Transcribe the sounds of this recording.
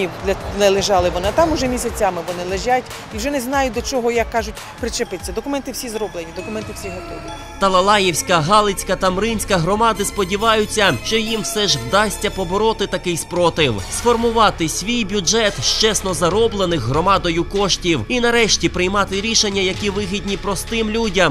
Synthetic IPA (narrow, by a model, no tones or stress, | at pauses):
id̪ʲɐnɛlˠɪʒɑlˠɪʋɔnɪt̪ɑmʊʒɛmʲisʲɐt͡sʲamɪʋɔnɪlˠeʒatʲ | iwʒɛnɛznɑjʊd̪ɔt͡ʃɔɦɔjɐkːɑʒʊtʲ | pɾɪt͡ʃepɪt͡sʲːɐd̪ɔkʊmɛnt̪ɪwsʲizɾɔblenʲid̪ɔkʊmɛnt̪ɪwfsʲiɦɔt̪ɔʋʲi | t̪ɐlˠɐlˠɑjiwsʲkɐɦɑlˠɪt͡sʲkɐt̪ɐmɾɪnʲsʲkɐɦɾɔmɑd̪ɪspɔdʲiʋɑjʊt͡sʲːɐʃt͡ʃɔjimfsɛʒwd̪ɑsʲtʲɐpɔbɔɾɔt̪ɪt̪ɐkɪjspɾɔt̪ɪwsfɔrmʊʋɑt̪ɪsʲʋʲijbʲud͡ʒɛt̪ʃt͡ʃɛsnɔzɐɾɔblˠenɪxɦɾɔmɑd̪ɔjʊkɔʃtʲiwinɐɾɛʃtʲipɾɪjmɑt̪ɪɾʲiʃenʲːɐjɐkʲiʋɪɦʲidʲnʲipɾɔst̪ɪmlʲudʲɐm